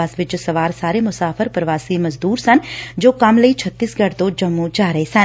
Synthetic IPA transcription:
aːsʋɪt͡ʃsɐʋaːɾsaːɾemʊsaːfʰəɾpɾɐʋaːsimɐzd̪uːɾsɐnd͡ʒoːkɐmlɐit͡ʃʰɐt̪ːiːsɡɐɽt̪oːd͡ʒɐmːũd͡ʒaːɾəesɐn

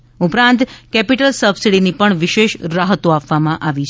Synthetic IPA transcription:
upɾãnt̪kɛpiʈəlsəbsiɽinipəɳʋɪʃeʃɾaɦət̪oapʋamãʔaʋit͡ʃʰ

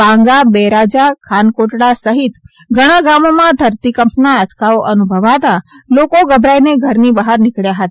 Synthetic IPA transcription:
bãŋɡabeɾad͡ʒakʰankoʈɽasəɦit̪ | ɡʱəɽ̃aɡamomãd̪ʱəɾt̪ikəmpnaət͡ʃkaoʔənubʱəʋat̪alokoɡəbʱɾajneɡʱəɾnibəɦaɾnɪkɭjaɦət̪a

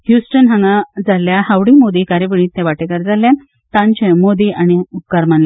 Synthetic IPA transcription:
hjusʈənɦãŋɡad͡zaljahaʋɽimod̪ikaɾibiɭ̃ĩːt̪ːẽʋaʈekəɾd͡zaljan | t̪ãɲt͡ɕẽmod̪iaɽ̃iukaɾmanla

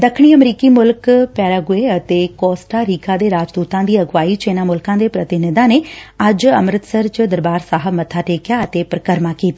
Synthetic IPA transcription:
d̪əkʰɽ̃iːəmɾiːkiːmʊlkpɛːɾaːɡʊeət̪eːkɔːsʈaːɾiːkʰaːd̪eːɾaːd͡ʒd̪uːt̪ãːd̪iːəɡʋaːiːt͡ʃeːnaːmʊlkãːd̪eːpɾət̪ɪnɪd̪ãːneːɐd͡ʒəmɾət̪səɾt͡ʃd̪əɾbaːɾsaːɦəbmət̪ʰːaːʈeːkjaːət̪eːpɾəkəɾmaːkiːt̪ː

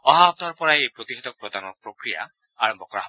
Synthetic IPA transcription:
ɔɦaab̚d̪ʱɔɾpɔɾaejpɾot̪ixʰed̪ɔk̚pɾɔd̪anɔpɾokɾija̰ | aɹɔmbɔkɔɾa̰ɦ

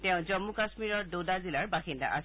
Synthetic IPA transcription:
tɛ̃ʊ̃zɔmːukasmiɹɔɹdodazilaɹbaxinda̰ʔa̰s

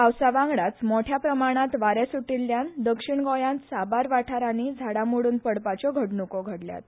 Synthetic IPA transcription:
awsaʋãŋɡɭat͡smoʈʰjapɾəmaɽ̃ãt̪ʋaɾesuʈilːjand̪əkʂiɳɡɔjãnt̪sabaɾʋaʈʰaɾanid͡zʱaɽamuɽuːnpəɽpat͡ɕɔɡʱəʈnukɔɡʱəɽlja̰t̪

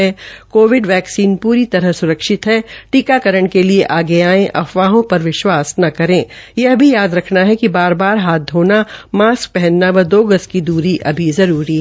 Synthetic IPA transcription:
ɛkoːʋɪɖʋɛːksiːnpuːɾit̪ɐɾəɦsʊɾəkʃɪt̪ɦɛʈikakɐɾəɽ̃kelieʔaːɡeaːẽʔɐ̰fʋaːɦõpɐɾʋɪʃwaːsnɐkɐɾẽːjɐɦbʱijaːd̪ɾɐkʰnaɦɛkibaːɾbaːɾɦaːt̪̚ɦoːnamaːsk̚pɛɦɛnːaʋɐɾd̪oːɡəskid̪uːɾiʔɐbʱizɐɾuːɾiɦ

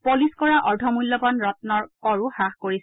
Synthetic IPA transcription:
poliskɔɹaʔɔɹdʱɔmulːɔbɔnɹɔtnɔɹkɔɹuhaxkoɹis

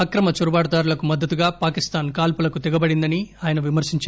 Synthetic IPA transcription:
ɐkɾɐmɐt͡ʃuɾubaːɽɐd̪aːɾulɐkumɐd̪ːɐt̪uɡaːpaːkist̪aːnkaːlpulɐkut̪ɛɡɐbɐɽind̪ɐniaːjɐnɐʋimɐɾsiɲt͡ʃː

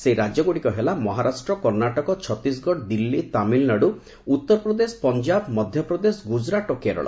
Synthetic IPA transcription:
seɾad͡ʒjɔɡoɽikɔɦelamɔɦaɾasʈɾɔkɔɾnaʈɔkɔt͡ʃʰɔt̪ːis̬ɡʱɔɽd̪ilːit̪amilnaɽu | ut̪ːɔɾɔpɾɔd̪esɔ̥pɔnd͡ʒabmɔd̪ʱjɔpɾɔd̪esɔɡud͡ʒɾaʈɔkeɾɔ̰ɭa̰

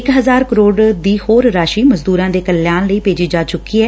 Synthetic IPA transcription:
ɪkɦəzaːɾkəɾoːɽd̪iːhoːɾːaːʃiːməzd̪uːɾãːd̪eːkəlːjaːnləiːpeːd͡ʒiːd͡ʒaːt͡ʃʊkːiːɦɛː

